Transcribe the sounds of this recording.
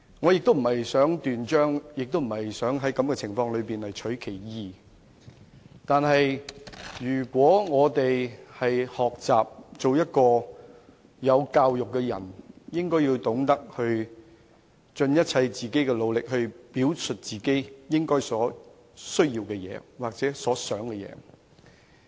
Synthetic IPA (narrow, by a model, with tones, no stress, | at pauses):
ŋɔ˨˧jɪ˨k̚t̪o˥m̩˨˩hɐ˨jsœː˨˥ŋt̪yː˨nt͡ʃœː˥ŋjɪ˨k̚t̪o˥m̩˨˩hɐ˨jsœː˨˥ŋɦɐ˨˥jkɐ˨˧mkɛː˧t͡sʰɪ˨˩ŋfɔː˧ŋlɵ˨˧ɥpiː˨˩nlɐ˨jt͡ʃʰɵ˨˥ɥkʰe˨˩jjiː˨˧ | t̪aː˨nɦɐ˨jjyː˨˩kʷwɔː˨˥ŋɔː˨˧t̪e˨jhɐ˨jhɔː˨k̚t͡sa̰ː˨p̚t͡so˨wjɐ˥t̚kɔː˧ | jɐ˨˧wkaː˧wjʊ˨kːɛ˧jɐ̰˨˩njɪ˥ŋkɔː˥ji˧wt̪ʊ˨˥ŋt̪ɐ˥k̚hɵ˧ɥ | t͡ʃɵ˧njɐ˥t̚t͡sʰɐ˧jt͡siː˨ke˥jkɛː˧lo˨˧wlɪ˨k̚hɵ˧ɥpiː˨˥wsɵ˨t̚t͡siː˨ke˥jjɪ˥ŋkɔː˥jsɔː˨˥ | sɵ˥ɥjiː˧wkɛː˧jɛ̰ː˨˧waː˨k̚t͡sɛː˨˥sɔː˨˥sœː˨˥ŋkɛ˧jɛ̰ː˨˧˦